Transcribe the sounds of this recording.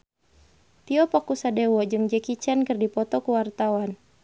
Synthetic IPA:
t̪iɔpɔkusadewɔd͡ʒɨŋd͡ʒɛkit͡ʃɛnkɨrdipɔt̪ɔkuwart̪awan

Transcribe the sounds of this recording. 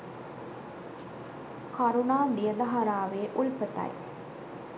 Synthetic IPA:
kɐɾunaːd̪ijəd̪ɐɦɐɾaːʋeːʔulpət̪ɐ̰j

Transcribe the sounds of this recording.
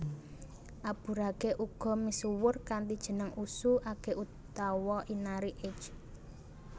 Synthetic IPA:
ʔab̥ṳɾaɡ̥eʔuɡ̥ɔ̤misuwʊrkant̪id̥ʒ̥ə̤nəŋusuʔaɡ̥e̤ʔut̪awɔʔinaɾiʔet͡ʃ

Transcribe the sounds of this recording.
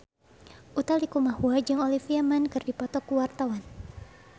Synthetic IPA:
ʔut̪alikumahuad͡ʒaŋolifiamankɨrdipɔt̪ɔkuwart̪awan

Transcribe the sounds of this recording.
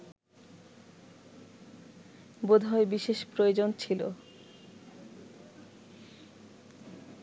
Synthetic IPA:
bod̪ʱaebiʃeʃpɾojod͡ʑont͡ɕʰilo̰

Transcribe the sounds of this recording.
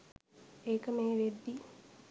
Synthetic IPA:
eːkəmeːʋed̪ːi

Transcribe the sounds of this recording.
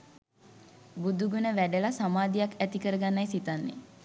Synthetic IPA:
bud̪uɡunəʋæɖəlasamaːd̪ijakæt̪ikəɾəɡanːajsit̪anːḛ

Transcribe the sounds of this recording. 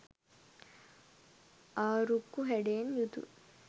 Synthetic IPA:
aːɾukːuɦɛɖeːnjut̪ṵ

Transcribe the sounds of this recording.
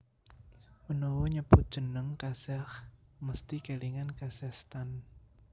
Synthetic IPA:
ʔunɔwɔɲəb̥ʊt̪̚d̥ʒ̥ə̤nəŋkasɛhməst̪ikeliŋankasɛst̪an

